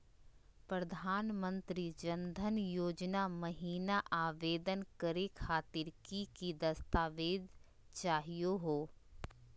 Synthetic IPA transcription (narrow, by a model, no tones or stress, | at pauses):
pɾɐd̪ʱaːnmə̃nt̪ɾid͡ʒɐnd̪ʱənjoːd͡ʒnaməɦiːnaʔaːʋeːd̪ənkəɾekʰaːt̪ɪɾkikid̪ɐst̪aːʋeːd̪ | t͡ʃaːɦijoɦoː